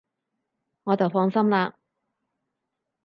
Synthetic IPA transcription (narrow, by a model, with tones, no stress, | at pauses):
ŋɔː˨˧t͡sɐ˨wfɔː˧ŋsɐ˥mlaː˧